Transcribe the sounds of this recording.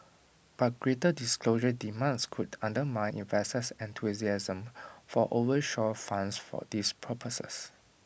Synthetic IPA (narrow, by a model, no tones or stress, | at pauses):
b̥at̚ɡ̥ɹetədiskloʒədimãnskʰudãndəmãɪ̃nʔḭ̃nvɛstəsɛ̃ntʰuziazə̃mfɔʔovəʃɔfãnsfɔ̰dispʰəpʰəsə̰s